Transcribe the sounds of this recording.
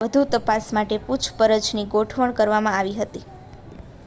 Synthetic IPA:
ʋəd̪ʱut̪əpasmaʈeput͡ʃʰpəɾəd͡ʒniɡoʈʰʋəɳkəɾʋamãaʋiɦət̪i

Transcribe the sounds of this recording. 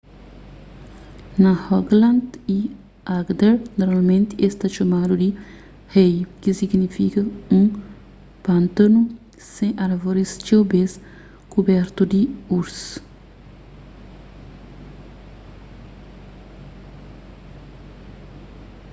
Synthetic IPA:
nɐhɔɡlãnd̪i | aɡd̪eɾnoɾmalmẽnt̪iest̪aʃɐmad̪ud̪i | hejkisiɡnifikɐũ | pɐ̃nt̪ɐnu | sẽʔɐɾvoɾist͡ʃewbes | kubɛɾt̪ud̪iuɾs

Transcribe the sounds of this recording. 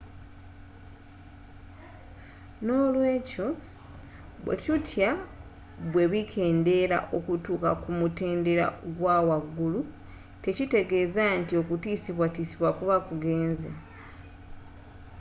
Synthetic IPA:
no̞ːlwe̞ːco̞ | βwḛcutʰja | βwe̞βikʰe̞ːnde̞ɾa̰ʔo̞kutuːka̰kumute̞ːnde̞ɾa̰ɡwawaɡːulu | te̞cite̞ɡe̞zantio̞kutiːsiβwatiːsiβwakuβakuɡe̞ːnze

